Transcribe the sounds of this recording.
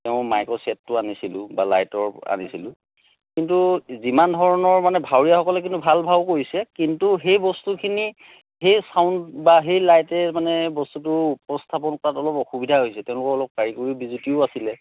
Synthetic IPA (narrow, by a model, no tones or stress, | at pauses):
tɛʊ̃majkɔsɛtːʊanisilʊ̃balajtɔɹa̰nisilʊ | kintuzimandʱɔɹɔnɔɹmanɛbʱawɹijaxɔkɔlɛk̬intubʱalbʱabkoɹisɛkintuɦejbɔstukʰini | hejsaʊntbaɦejlajtɛmanɛbɔstut̬ʊupɔstʰap̬ɔnkɔatɔlɔpɔxubidʱaɦojsɛteʊ̃lʊkɔɹɔlɔp̚kaɹikoɹibizutiʊasilɛ